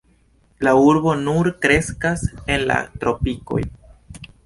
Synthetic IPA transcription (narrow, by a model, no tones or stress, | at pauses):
lauɾbo̞nuɾkɾe̞skase̞nla̰tɾo̞piko̞̰j